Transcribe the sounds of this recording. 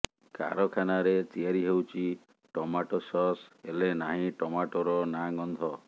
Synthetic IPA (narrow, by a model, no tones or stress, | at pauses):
ka̰ɾɔkʰanaɾet͡ʃiaɾiɦewt͡ʃʰi | ʈɔmaʈɔsɔselenaɦĩʈɔmaʈɔɾɔnaŋɔnd̪ʱɔ